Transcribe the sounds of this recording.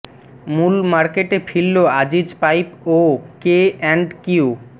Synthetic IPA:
mulmaɾkeʈefʰilːoad͡ʑid͡ʑpajpokeɛɳɖkiu

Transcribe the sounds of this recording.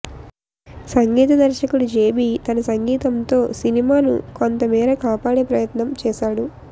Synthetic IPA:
sɐŋɡiːt̪ɐd̪ɐɾʃɐkuɽud͡ʒeːbiːt̪ɐnɐsɐŋɡiːt̪ɐmt̪o̞ːsinimaːnṵko̞nt̪ɐmiːɾɐkaːpaːɽe̞ːpɾɐjɐt̪nɐmt͡ʃɛːʃaːɽu

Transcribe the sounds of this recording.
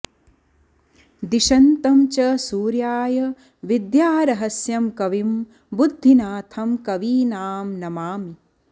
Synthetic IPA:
d̪iʃɐnt̪ɐmt͡ʃɐsuːɾjaːjɐ | ʋid̪jaːɾɐɦɐsjɐmkɐʋim | bud̪ʱːinaːt̪ʰɐmkɐʋiːnaːmnɐmaːmi

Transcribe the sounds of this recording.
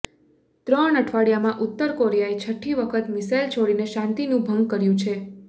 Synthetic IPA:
t̪ɾəɳəʈʰʋaɽjamãʔʊt̪ːəɾkoɾijaet͡ʃʰəʈʰːiʋəkʰət̪misajlt͡ʃʰoɽineʃãnt̪inũbʱəŋɡ̚kəɾjũt͡ʃʰe

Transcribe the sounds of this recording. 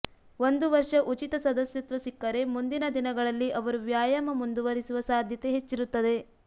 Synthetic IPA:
o̞nd̪uʋɐɾʂɐʔut͡ʃit̪ɐsɐd̪ɐsjɐt̪ʋɐsikːɐɾe̞mund̪inɐd̪inɐɡɐɭɐlːiʔɐʋɐɾuʋjaːjɐmɐmund̪uʋɐɾisuʋɐsaːd̪ʱjɐt̪e̞ɦet͡ʃːiɾut̪ːɐd̪e̞

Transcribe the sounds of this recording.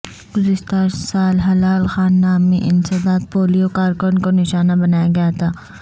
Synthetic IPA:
ɡʊzɪst̪aːɾsaːlɦɐlaːlxaːnːaːmːẽʔɪnsebaːd̪̚poːlijokaːɾkonkonɪʃaːnabɐnaːjaɡɐjat̪ʰaː

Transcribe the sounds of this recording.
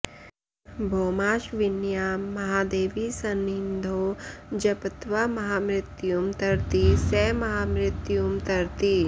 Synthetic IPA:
bʱoːmaːʃʋɪnjaːmɐɦaːd̪eːʋisɐnːĩnd̪ʱoːd͡ʒɐpət̪ʋamɐɦaːmɾɪt̪jumt̪ɐɾt̪isɛːmɐɦaːmɾɪt̪jumt̪ɐɾt̪i

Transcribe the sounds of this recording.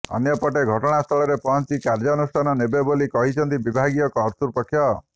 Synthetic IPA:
ɔ̰njɔpɔʈeɡʱɔʈɔɽ̃ast̪ʰɔɭɔɾepɔɦɔnt͡ʃikaɾd͡ʒɔnusʈʰanɔnebebolikɔɦit͡ʃʰɔnt̪ibibʱaɡijɔkɔːɾt̪uɾpɔkʰːjɔ

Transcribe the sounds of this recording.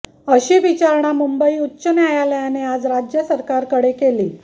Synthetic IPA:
əɕiːʋit͡ɕaɾɳ̃amumbəiːut̪ːɕənjajaləjanead͡zɾad͡ʑjəsəɾkaɾkəɽekelḭː

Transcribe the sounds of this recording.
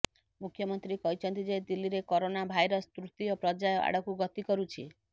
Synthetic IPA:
mukʰːjɔmɔnt̪ɾikɔɦit͡ʃʰɔnt̪id͡ʒed̪ilːiɾekoɾonabʱajɾɔst̪ɾut̪iɔpɾɔd͡ʒajɔʔa̰ɽ̤ɔkuɡɔt̪ikɔɾut͡ʃʰi

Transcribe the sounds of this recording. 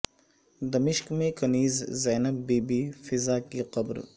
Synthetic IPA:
d̪ɐmɪʃkmẽkɐniːzzɛːnɐbːiːbifɪzaːkiqɐbɾ

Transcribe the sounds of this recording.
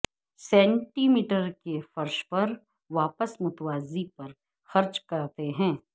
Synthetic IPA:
sɛ̃ːɳʈiːmiːʈəɾkefɐɾʃpɐɾ | ʋaːpəsmʊt̪ʋaːzipɐɾ | xɐɾt͡ʃkɐɾt̪eɦɛ̃ː

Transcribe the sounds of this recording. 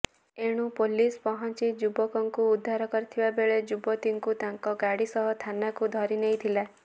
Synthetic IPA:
eɽ̃upolispɔɦɔnt͡ʃid͡ʒubɔkɔŋkuːd̪ʱːaɾɔkɔɾit̪ʰibabeɭed͡ʒubɔt̪iŋkut̪aŋkɔɡaɽisɔɦɔt̪ʰanakud̪ʱɔɾinejt̪ʰila

